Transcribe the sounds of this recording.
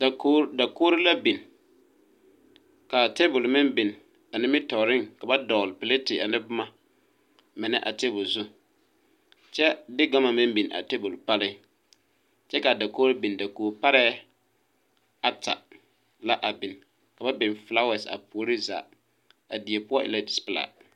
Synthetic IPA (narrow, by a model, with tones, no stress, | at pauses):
da˨koː˦ɾɪ˦la˦bi˨n | ka˨te˦bʊ˨lmɪ˦nbi˨n˨ | a˨nɪ˦mɪ˦tɔ˨ɾɪ˦ŋka˨ba˦dɔ˨lpɪ˨le˦tɪ˨a̰˨nɪ˦bʊ˦ma˨ | mɪ˨nɛ̰˦ʔa̰˨te˦bʊ˨lzʊ˦ | t͡ʃɛ˦dɪ˦ɡa˦ma˨mɪ˦mbi˨n˨a̰˨te˦bʊ˨lpa˦lɪ˦ | t͡ʃɛ˦ka˨da˨koː˦la˦bi˨nda˨koː˨pa˦ɾɛ˦ | a˦ta̰˨ | la˦ʔa˨bɪ˨n | ka˨ba˦bi˨nfla˦wɛ˨sa̰˨po˨˦ɾi˦za̰˨ | a˨di˨e˨pʊ˦ɔ˦ʔɪ̰˦˨la˦di˨spɪ˨la̰˨